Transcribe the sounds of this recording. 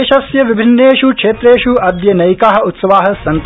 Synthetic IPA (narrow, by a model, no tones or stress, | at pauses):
ʃɐsjɐʋibʱinːeːʃukʂeːt̪ɾeːʃuɐd̪jɐnɐjkaːɦɐ̆ut̪sɐʋaːɦɐ̆sɐnt̪